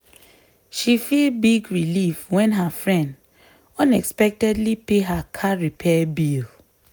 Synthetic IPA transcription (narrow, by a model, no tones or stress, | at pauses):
ʃifilbiɡɹilifwɛ̃nɦafɹɛ̃nd | ɔ̃nɛkspɛk̚tɛdlipeɦakʰaɹipʰɛbil